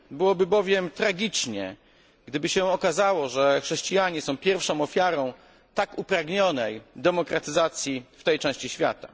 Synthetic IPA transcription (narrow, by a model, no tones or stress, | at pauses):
bɘwɔbɘbɔvʲjɛmt̪ɾaɡʲit͡ʂɲɛ̰ | ɡd̪ɘbɘɕɛɔkazawɔʐɛxʂɛɕt͡ɕijaɲɛsɔ̃w̃pʲjɛɾfʂɔ̃w̃ɔfʲjaɾɔ̃w̃ | t̪akupɾaɡɲɔnɛjd̪ɛmɔkɾʔat̪ɘzat̪sʲjift̪ɛjt͡ʂɛ̃w̃ɕt͡ɕiɕfʲja̰t̪a